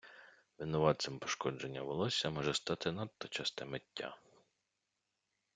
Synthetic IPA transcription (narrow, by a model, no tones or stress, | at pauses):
ʋɪnɔʋɑt̪sɪmpɔ̥ʃkɔd͡ʒe̞nʲːɐʋɔlˠɔsʲɐmɔʒɛst̪ɑt̪ɪnɑt̪ːɔt͡ʃɑst̪ɛmetʲːa̰